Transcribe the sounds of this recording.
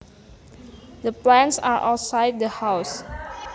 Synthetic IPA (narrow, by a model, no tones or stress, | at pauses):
dəplɛ̃nsa̰ɹʔawtsajt̚dəhaws